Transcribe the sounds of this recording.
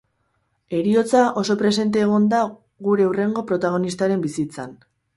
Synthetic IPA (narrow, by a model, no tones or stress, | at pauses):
e̞ɾio̞t͡saʔo̞so̞pɾe̞se̞nt̪eːɣ̞ond̪a | ɣuɾe̞ure̞ŋɡo̞pɾo̞t̪aɣ̞o̞nist̪aɾe̞mbisit͡san